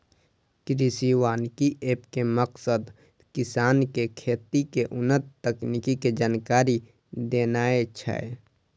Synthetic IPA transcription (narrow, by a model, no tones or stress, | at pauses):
kɾisiwaːnkiʔeːpkeməqsəd̪ | kɪsaːnkekʰeːt̪ikeʔʊnət̪t̪ːəknikiked͡ʒaːnkaːɾi | d̪eːnaːet͡ʃʰə̰e